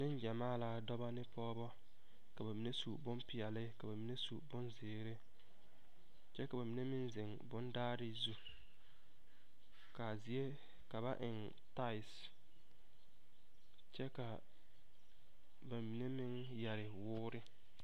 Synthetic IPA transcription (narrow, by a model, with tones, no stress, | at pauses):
nɪ̃˦n˦d͡ʒɛ˨maː˦˨la˦dɔ˦ba˦nɪ˦pʰɔː˦bɔ˦ | ka˨ba˨mi˨ne˦su˨bʊ˦mpɪ˨ɛ˨lɪ˦ka˨ba˨mi˨˦ne˦sṵ˨bʊ˦nzɪː˨˦ɾe˦ | t͡ʃɛ˦ka˨ba˨mi˨ne˦mɪ˦nzɪ˨ŋ | bʊ˦ndaː˦ɾɪ˦zu˦ | ka˨zi˨e˦ | ka˨ba̰˦ʔɪ˨n | ta˦ɪ˨s | t͡ʃɛ˦ka˨ | ba˨mi˨ne˦mɪ˦ŋ | jɛ˨ɾɪ˨wʊː˦ɾɪ˦